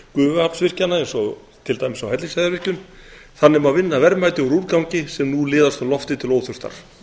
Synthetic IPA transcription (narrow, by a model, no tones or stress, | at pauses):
kʏːvʏapn̥svɪr̥canːaɛnsɔ | t̪ʰɪlt̪ajmɪsawɦɛt̪lɪnsajðaɾvɪhcʏn | θanːɪmavɪnːavɛɾmajt̪ɪɔɾuːɾkawɲcɪsɛmnulɪːðast̪awlɔft̪ɪt̪ʰɪloːwθʏst̪a̰ɾ̥